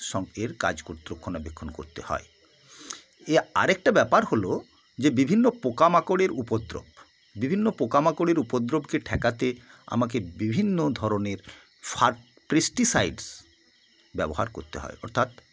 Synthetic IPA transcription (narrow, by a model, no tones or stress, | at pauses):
ʃɔŋeɾka̰d͡ʑkoɾt̪ɾokʰːonabekʰːonko̰ɾt̪ḛhɔ̰e | ea̰ɾek̚ʈabɛpaɾholo | d͡ʑebibʱinːopokamakoɽeɾupod̪ɾo̰b | bibʱinːopokamakoɽeɾupod̪ɾobkeʈʰɛkat̪ea̰mak̬ebibʱinːod̪ʱɔɾoneɾ | faɾ | pɾesʈisajɖs | bɛboɦa̰ɾkoɾt̪eɦɔ̰eɔ̰ɾt̪ʰat̪